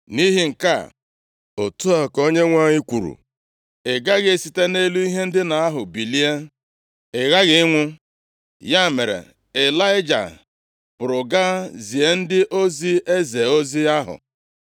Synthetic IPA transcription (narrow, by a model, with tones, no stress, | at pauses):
ni˦ɦi˦ŋ̩˨ka̰˦ | o˨tu˦a˨ko˦ɲe˦ŋʷa˦˨ɲɪ˦kʷu˨ɾṵ˨ | ɪ˨ɡa˦ɣɪ˨si˨te˦ne˦lu˦i˦ɦe˦n̩˦dɪ˦na˨a˦ɦʊ˨bi˨li˦e˦ | ɪ˨ɣa˦ɣɪ˨˦ŋʷʊ˦ | ja˦˨me˨ɾḛ˨ | e˨la˦ɪ˦d͡ʒa̰˨ | pʊ˨ɾʊ˨ɡa˦zi˨e˨n̩˦dɪ˦ʔo˦zi˦e˦ze˨o˦zi˦a˦ɦʊ̰˨